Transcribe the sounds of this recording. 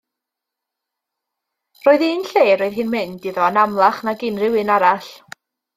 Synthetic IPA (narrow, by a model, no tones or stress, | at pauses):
roːɨðinɬeːɾoːɨð̥ɦɨːnmɪndɨðɔanamlˠaχnaɡɪnrɪwɨnaɾaɬ